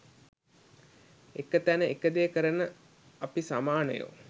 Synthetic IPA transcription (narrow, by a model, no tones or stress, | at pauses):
ekət̪ænəekəd̪ejːkəɾənə | apisamaːnə̰jṵ